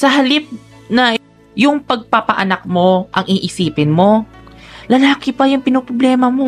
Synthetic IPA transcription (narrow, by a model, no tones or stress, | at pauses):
sɐɦɐlɪp̚ | nɐ | jʊŋpɐɡ̚pɐpɐʔɐnɐk̚mo̞ʔɐŋʔiʔɪsiːpɪnmo̞ | lɐlaːkɪpɐjʊŋpɪnopɾoblɛːmɐmo